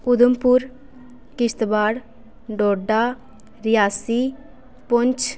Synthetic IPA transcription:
ʊd̪əmpʊɾ | kɪst̪baːɽ | ɖɔːɖaː | ɾɪjaːsiː | pʊɲt͡ʃ

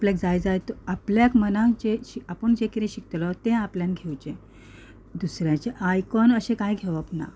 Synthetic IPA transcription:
apljak̚d͡zajd͡zajt̪apljakmənãt͡ɕeiapəɳd͡ʑekit̪ẽɕikt̪lɔt̪ẽapljanɡʱewt͡ɕẽ | d̪usɾjãt͡ɕeʔajkɔnəɕẽkajɡʱeʋəpna̰

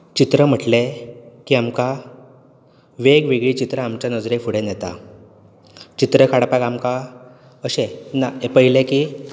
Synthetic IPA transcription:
t͡ɕit̪ɾəm̤əʈlekiːamka | ʋeɡʋeɡɭiːt͡ɕit̪ɾaamt͡ɕjanəd͡zɾefuɽenjɛt̪a̰ | t͡ɕit̪ɾəkʰaɽpaɡamka | əɕenaepəɦileki

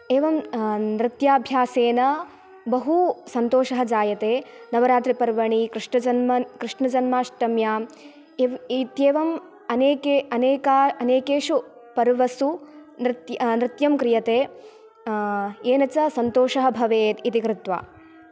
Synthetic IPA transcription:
eːʋɐmnɾɪt̪jaːbʱjaːseːnɐ | bɐɦusɐnt̪oːʃɐɦɐd͡ʒaːjɐt̪eːnɐʋɐɾaːt̪ɾipɐɾʋɐɳikɾɪʂɳɐd͡ʒɐnmɐkɾɪʂɳɐd͡ʒɐnmaːʂʈɐmjaːm | it̪jeːʋɐm | ɐneːkeɐneːkaːɐneːkeːʃupɐɾʋɐsunɾɪt̪jnɾɪt̪jɐmkɾijɐt̪eː | eːnɐt͡ʃɐsɐnt̪oːʃɐɦɐ̆bʱɐʋeːt̪it̪ikɾɪt̪ʋa̰ː

